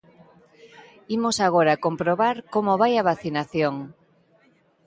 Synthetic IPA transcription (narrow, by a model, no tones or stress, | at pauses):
imosaɣ̞oɾakompɾoβaɾkomoβajaβ̞aθinaθjoŋ